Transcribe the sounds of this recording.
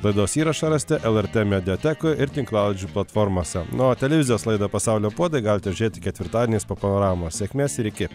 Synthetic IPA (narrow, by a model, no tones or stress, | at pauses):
lˠɐɪd̪oːsiːɾɐʃɐɾɐsʲt̪ʲɛʔɛlˠɛɾʲt̪ʲɛmʲɛd̪ʲɪot̪ʲɛkojʔɪɾt̪ʲɪŋklˠɑːʊlˠʲɪd͡ʒʲuːplˠɐt̪foɾmoːsʲɛnot̪ʲɛlʲɛʋʲɪzʲɪjoːslˠɐɪd̪ɐpɐsɑʊlʲoːpuɔd̪ɐɪɡɑlʲɪt̪ʲɛʊʒʲʊɾʲeːt̪ʲɪkʲɛt̪ʲʋʲɪɾt̪ɑːd̪ʲɪnʲeːspoːpɐnoːɾɑːʋɪmoːsʲeɛkʲmʲeːsɪɾʲɪkʲɪ